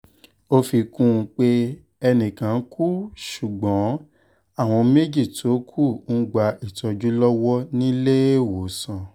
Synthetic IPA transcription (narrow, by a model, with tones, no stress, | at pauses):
o˦fi˧kũ˦˧k͡pe˦ | ɛ˧nĩ˨kã˨˦kʰu˦ʃu˨ɡ͡bɔ̃˨˦ | a˦˨w̃ɔ̃˧me˦d͡ʒi˦˨tʰo˨˦kʰu˦˨n̩˦ɡ͡ba˧i˦˨tɔ˧d͡ʒu˦lɔ˦wɔ˦nĩ˦le˦e˦˨wo˨sã˧˨